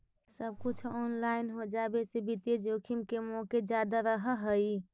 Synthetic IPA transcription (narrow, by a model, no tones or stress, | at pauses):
səb̚kut͡ʃʰɔnlainɦod͡ʒabesebit̪ed͡ʒokʰimkemoked͡ʒjad̪aɾəɦəɦəi